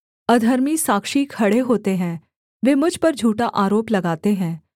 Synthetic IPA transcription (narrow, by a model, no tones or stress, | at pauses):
ɐd̪ʱɐɾmisaːkʃikʰɐɽeɦoːt̪eɦɛ̃ | ʋeːmʊd͡ʒʱpɐɾd͡ʒʱuːʈaʔaːɾoːplɐɡaːt̪eɦɛ̃ː